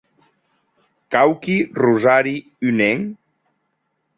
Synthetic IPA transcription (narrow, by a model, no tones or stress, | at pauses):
kawkiruzaɾi | yneŋ